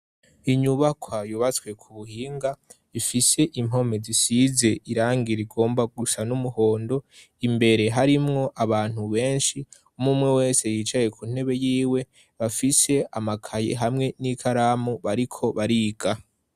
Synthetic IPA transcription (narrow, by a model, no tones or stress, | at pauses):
iɲuβakwajuβat͡swe̞kʰuβuhiːŋɡa | ifise̞ʔimo̞me̞zisize̞iɾaːŋɡiɾiɡo̞ːmbaɡusanumuho̞ːndo̞ | imbe̞ɾe̞ɦaɾimŋo̞ʔaβaːn̥huβe̞ːnʃi | umumŋe̞we̞ːse̞jiːt͡ʃaje̞kʰun̥e̞βe̞jiːwe̞ | βafise̞amakʰajḛɦamŋe̞nikʰaɾaːmuβaɾikʰo̞βaɾiːɡ̥a